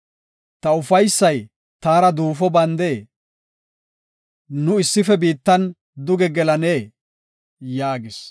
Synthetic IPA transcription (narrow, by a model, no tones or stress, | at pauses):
t̪ɐʊfɐjsːɐj | t̪aːɾɐd̪uːfɔbɐnd̪e̞ː | nʊɪsːɪfɛbiːt̪ːɐn | d̪ʊɡɛɡɛlɐneː | jaːɡɪs